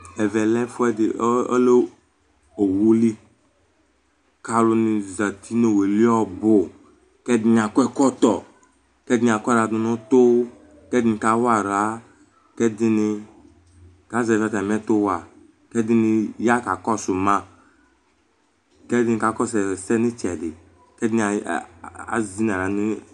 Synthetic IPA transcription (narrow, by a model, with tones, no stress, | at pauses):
ɛ˨vɛ˨lɛ˦fʊ˦ɛ˦dɪ˨˦o̰˦le˦ | o˨wu˦li˦ | ka˨lʊ˦nɪ˨za˨t̪i˦no˨we˨li˦ɔ˦bʊ˨ | kɛ˦di˨˦ɲ˨a˨kʷɛ˦kɔ˦t̪ɔ˨ | kɛ˦dɪ˦ɲ˨a˨kʷɾa˨dʊ˨nʊ̃˦t̪ʊ˦ | kɛ˦dɪ˦nɪ˨ka˦wa˦˨ɾa˨˦ | kɛ˦dɪ˧nɪ˧ | ka˨˦zɛ˨za˨˧ta˨mɛ˦tʊ˦wa˨ | kɛ˦dɪ˦nɪ˧˦ja˦ka˨kɔ˦sʊ˨mã˦ | kɛ˦dɪ˦nɪ˨˧ka˨kɔ˦˨sɛ˨sɛ˦nɪ˦t͡ʃɛ˨dɪ˨ | kɛ˦di˦n˨a˨ | a̰˨˦zi˦na˨ɾa˨˦nɪ˦